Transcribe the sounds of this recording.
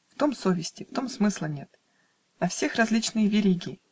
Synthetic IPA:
ft̪o̞mso̞vʲɪsʲtʲɪft̪o̞msmɨslˠənʲe̞t̪ | ɐfsʲe̞xrɐzʲlʲit͡ɕnɨjəvʲɪɾʲiɡʲɪɪ

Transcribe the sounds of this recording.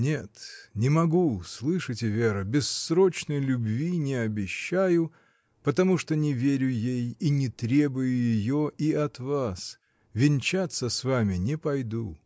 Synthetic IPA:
nʲet̪nʲɪmɐɡuslˠɨʂətʲɪvʲeɾəbʲɪsɾo̞t͡ɕnəjlʲʊbvʲinʲɪɐbʲɪɕːæjʊ | pət̪ɐmuʂt̪onʲɪvʲeɾʲʊjejinʲɪt̪ɾʲe̞bʊjʊjɪjoʔiɐt̪vas | vʲɪnʲt͡ɕat̪sːəsvamʲɪnʲɪpɐjd̪u

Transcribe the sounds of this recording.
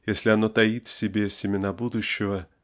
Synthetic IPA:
jesʲlʲɪɐno̞t̪ɐit̪fsʲɪbʲesʲɪmʲɪnabud̪ʊɕːɪvə

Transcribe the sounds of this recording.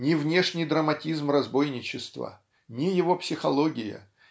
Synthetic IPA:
nʲɪvnʲe̞ʂnʲɪjd̪ɾəmɐtʲizmrɐzbo̞jnʲɪt͡ɕɪst̪və̰ | nʲɪjɪvo̞psʲɪxɐlˠo̞ɡʲɪjə̰

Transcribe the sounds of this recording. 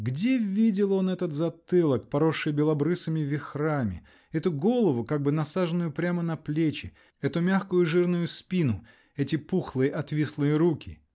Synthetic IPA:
ɡdʲe̞vʲidʲɪlˠo̞nɛt̪ət̪zɐt̪ɨlˠək̚pɐɾoʂːɨjbʲɪlˠɐbɾɨsɨmʲɪvʲɪxramʲɪ̰ | ɛt̪ʊɡo̞lˠəvʊkaɡ̚bɨnɐsaʐɨnːʊjʊpɾʲamənɐplʲet͡ɕɪ | ɛt̪ʊmʲaxkʊjʊʐɨrnʊjʊspʲinʊ | ɛtʲɪpuxlˠɨjəʔɐt̪vʲislˠɨjəɾukʲɪ

